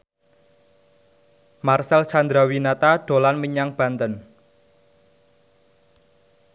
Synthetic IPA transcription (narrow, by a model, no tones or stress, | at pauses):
marsalt͡ʃand̪ɾawinat̪aɖ̥o̤lanməɲaŋb̥ä̤nt̪ən